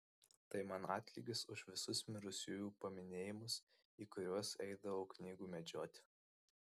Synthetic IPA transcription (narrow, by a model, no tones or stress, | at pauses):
t̪ɐɪmɐnɑːt̪ʲlʲiɡʲɪsʊʃʋʲɪsʊsmʲɪɾʊsʲuːjuːpɐmʲɪnʲeːjɪmʊs | iːkʊɾʲuɔsɛɪd̪ɐʋoʊknʲiːɡuːmʲɛd͡ʒʲoːt̪ʲɪ